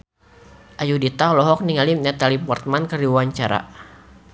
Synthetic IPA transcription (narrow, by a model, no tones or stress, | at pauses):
ʔajudit̪aɔlɔɦɔk̚niŋalimɲat̪alipɔrt̪̚mankəɾiwaɲt͡ʃaɾa̰